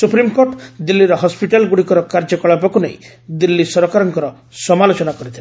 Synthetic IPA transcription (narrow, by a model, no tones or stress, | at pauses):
supɾimkoɾʈd̪ilːiɾɔɦɔspiʈalɡuɽikɔɾɔkaɾd͡ʒɔkɔɭabɔkunḛi | d̪ilːisɔɾɔkaɾɔŋkɔɾɔ | sɔmalot͡ʃɔnakɔɾit̪ʰile